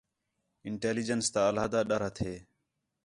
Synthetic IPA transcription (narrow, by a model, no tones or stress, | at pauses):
ɪɳʈeːliːd͡ʒənst̪aːəlɦaːd̪aːɗəɾɦət̪ʰeː